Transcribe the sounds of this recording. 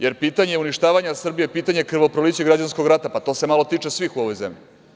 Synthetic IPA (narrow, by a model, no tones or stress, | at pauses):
jeɾpiːt̪aɲeuniʃt̪aːʋaɲasr̩bijepiːt̪aɲe̞kr̩ʋopɾoliːt͡ɕeɡɾad͡ʑansko̞ɡɾat̪apat̪o̞ːse̞malˠo̞t̪iːt͡ʂe̞sʋixuo̞ʋo̞jzemʎḭ